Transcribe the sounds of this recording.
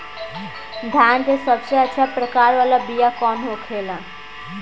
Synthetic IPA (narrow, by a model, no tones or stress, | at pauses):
d̪ʱjaːnt̪esəbseətːʃʰapɾəkaːɾʋaːlabijakɔːnɦokʰeːla